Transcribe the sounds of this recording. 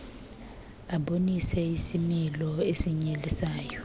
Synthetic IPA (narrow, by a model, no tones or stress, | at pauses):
aɓonisɛisimilɔesiɲelisaːjɔ